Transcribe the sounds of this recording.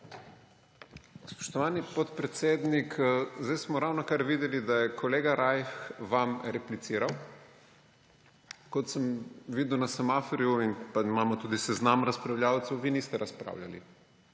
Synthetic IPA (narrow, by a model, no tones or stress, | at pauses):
spɔ̥ʃt̪ɔʋaːnipɔt̪pɾɛt̪seːd̪nikʰzd̪ajsmɔɾawnɔkaɾʋiːd̪ɛlid̪ajɛkʰɔleːɡaɾʔajxʋamɾɛplit̪siːɾaw | kɔt̪səmʋiːd̪ɛwnasamafɔɾiuinpaimaːmɔt̪uːd̪isɛznamɾaspɾawljaːwt̪sɛwʋiːniːst̪ɛɾaspɾa̰ːwlʲja̰lḭ